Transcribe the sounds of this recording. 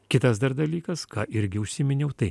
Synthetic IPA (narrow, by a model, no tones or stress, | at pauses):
kʲɪt̪ɐsd̪ɐɾd̪ɐlʲiːkɐskɑːʔɪɾʲɡʲɪʊʃʲsʲɪmʲɪnʲɛʊt̪ɐɪ